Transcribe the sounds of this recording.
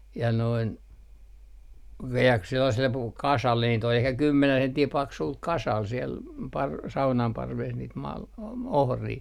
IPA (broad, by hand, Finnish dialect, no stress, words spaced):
jɑ noin ʋeæks selːɑsel pu kɑsɑlːe niːt ol ehkæ kymːenæn sentːiː pɑksul kɑsɑl siel pɑr sɑunɑm pɑrʋes niːt mɑl ohriː